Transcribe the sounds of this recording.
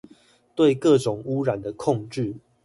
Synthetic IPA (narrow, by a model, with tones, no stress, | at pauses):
t̪we˥˨ɪkɤ˥˨ʈ͡ʂʊ˨˩ŋu˦ɻa˨˩nd̪ə˩kʰɔ˥˧ŋʈ͡ʂɻ̩˥˨